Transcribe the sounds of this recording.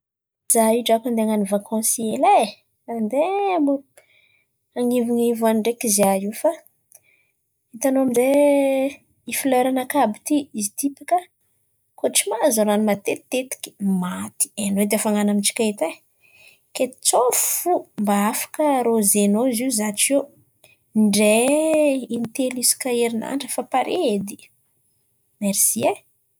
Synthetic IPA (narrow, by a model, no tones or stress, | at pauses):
z̥aiʈ͡ʂakand̪eŋanivakʰɔ̃siele | and̪emo | aŋiviŋivaɳɖ͡ʐekiziaiwfa | it̪anoamide | ifileɾanakabit̪iizit̪ipikə | koʈ͡ʂimazoɾanimat̪et̪et̪i̥ki̥mat̪i̥enoid̪afaŋanamiʈ͡ʂi̥kait̪e | ket̪i̥t͡soffumbaafḁkəɾozenoiziuzaʈ͡ʂe | ɳɖ͡ʐe | int̪elisi̥kaeɾina̰ɳɖ͡ʐəfapaɾʔed̪i | meɾsie